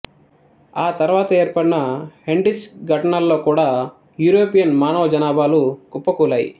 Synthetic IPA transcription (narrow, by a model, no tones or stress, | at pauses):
aːt̪ɐɾʋaːt̪ɐe̞ːɾpɐɽinɐheɳɖisɡʱɐʈɐɳɐlːo̞ːkuːɽaː | juːɾoːpijɐnmaːnoːɐd͡ʒɐnaːbaːlukupːɐkuːlaːjḭ